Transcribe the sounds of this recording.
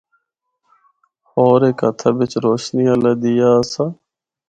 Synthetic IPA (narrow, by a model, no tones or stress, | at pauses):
hoːɾeːkət̪ʰaːʋɪt͡ʃɾoːʃniːaləːd̪ɪjaːsaː